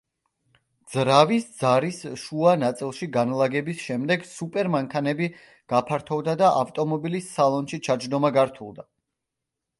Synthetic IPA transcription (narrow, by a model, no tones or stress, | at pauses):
d̪z̥ɾavisd̪z̥aɾisʃuanat̪sʼilˠʃiɡanlˠaɡɛbisʃɛmd̪ɛɡsupʼɛɾmaŋkʰanɛbi | ɡ̥apʰaɾt̪ʰɔvd̪ad̪aʔa̰ft̪ʼɔmɔbilisːalˠɔnʃit͡ʃʰad͡ʒd̪ɔmaɡaɾt̪ʰulˠd̪a